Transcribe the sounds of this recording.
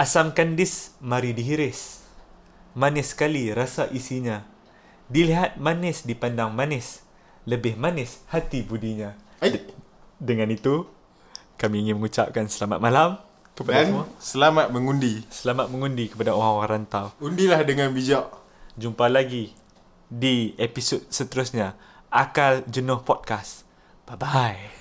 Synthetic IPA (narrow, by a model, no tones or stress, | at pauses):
ʔasamkandɪsmaɾidiɦiɾɪs | manɪskaliɾasaʔisiɲã | diliɦat̪̚manɪsdipandaŋmanɪs | ləbɪhmanɪshat̪ibudiɲa | dəŋanit̪u | kamiːŋɪnməŋut͡ʃa̰p̚kansəlama̰t̪̚malam | kəpadauasəlamat̪̚məŋundisəlamat̪̚məŋundikə̥padaoɣaŋaŋɾant̪awundilahdəŋanbid͡ʒaʔ | d͡ʒumpalaɡi | diepisot̪̚sət̪əɾʊsɲa | ʔakald͡ʒənʊhpɔt̚kas | b̥abaj